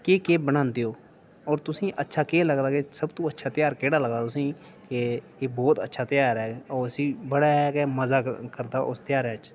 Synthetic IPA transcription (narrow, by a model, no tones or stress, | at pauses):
keːkeːbənãːnd̪eːoː | ɔːɾt̪ʊsĩːʔətːʃʰaːkeːləɡd̪aːkesəbt̪õːətːʃʰaːt̪ɪjaːɾkeːɽaːləɡd̪aːt̪ʊsĩː | ke | eːbɔːt̪ə̰tːʃʰaːt̪ɪjaːɾɛːɔːəsĩːbəɽaːɦɛːkeməzaːkəɾd̪aːʔʊst̪ɪjaːɾɛːt͡ʃ